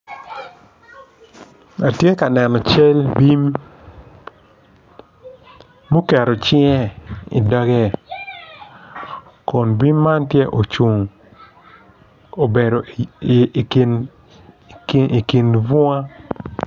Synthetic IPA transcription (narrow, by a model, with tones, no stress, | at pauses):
a˨tje˦ka˨nɛ˨nɔ˨t͡ʃe˦lbi˦m | u˦kɛ˨ɾɔ˨t͡ʃɪ˦ɛ˦ḭ˨da˦ɡɛ˦ | kɔ˨nbi˦mːa˦ntje˦ʔo˨t͡ʃu˨ŋ | o˨be˨ɾo˨ | n | i˨ki˨nvʊ˦a˦